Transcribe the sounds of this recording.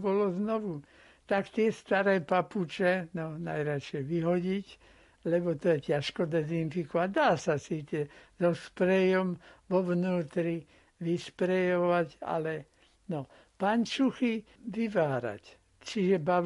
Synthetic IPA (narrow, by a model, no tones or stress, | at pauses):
bɔlɔznɔʋu | t̪akt̪ɪɛst̪aɾɛːpaput͡ʃɛnɔna̰jɾat͡ʃɪjɛʋiɦɔɟic | lɛbɔt̪ɔjɛcaʃkɔd̪ɛzinfikɔʋaɟd̪aːsasiːt͡sɛzɔspɾɛjɔmʋɔʋnuːt̪ɾi | ʋispɾɛjɔʋaca̰lɛ | nɔ | pant͡ʃuxi | ʋiʋaːɾa̰c | t͡ʃiʒɛba